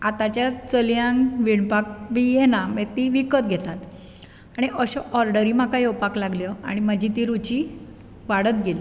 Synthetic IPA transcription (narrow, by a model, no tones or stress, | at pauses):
at̪at͡ɕjat͡səljãŋɡʋiɳpak̚bʱijenamet̪iʋikət̪̚ɡʱet̪at̪ | aɽ̃iʔəɕɔʔɔɾɖəɾimakajewpaklaɡljɔa̰ɽ̃imad͡ʑit̪iɾut͡ɕi | ʋaɽət̪ɡʱeli